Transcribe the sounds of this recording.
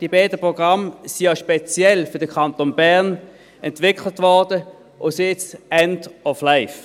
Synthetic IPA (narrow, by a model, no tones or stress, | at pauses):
d̥iəbɛːdəpʁoɡ̥ʁɑmsijɑʃpɛt͡sjɛlfʏɐd̥əkʰɑntonbæʁn | ɛntvɪkʰlətvɔʁd̥ə | ʔʊsɪt͡sɛndɔflaɪf